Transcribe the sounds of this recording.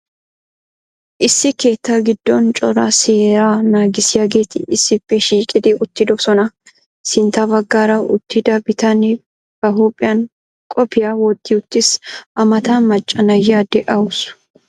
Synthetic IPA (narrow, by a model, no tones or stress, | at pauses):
ʔɪsːɪke̞ːt̪ːɐɡɪd̪̥ːɔnt͡ʃʼɔɾaseːɾaːnaːɡɪsɪjaːɡe̞ːt̪ɪɪsːɪbːɛʃiːkʼɪd̪ɪʊt̪ːɪd̪ɔsɔnɐ | sɪnt̪abɐɡːaːɾɐʊt̪ːɪd̪ɐbɪt̪ɐnɪ | b̥ɐɦuːpʼɪjɐn | kʼɔpɪjawɔd̪ːɪʊt̪ːɪsʔɐmɐt̪aːmɐt͡ʃʼːɐnɐjaːd̪ɛʔɐʊs